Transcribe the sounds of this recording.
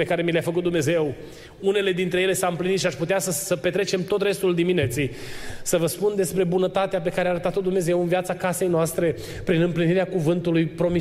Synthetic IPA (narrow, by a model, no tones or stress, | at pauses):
e̞kaɾe̞mileafəkut̪̚d̪umne̞ze̞w | une̞le̞d̪int̪ɾejele̞saɨmplinit̪ʃiaʃput̪easəsəpe̞t̪ɾe̞t͡ʃe̞mt̪o̞t̪ɾe̞st̪uld̪imine̞t̪sej | səvəspund̪e̞spɾe̞bunət̪at̪eap̬e̞kaɾeaɾət̪at̪o̞d̪umne̞zewɨnviat̪sakase̞jnoast̪ɾe̞ | pɾinɨmpliniɾeakuvɨnt̪ulujpɾo̞mi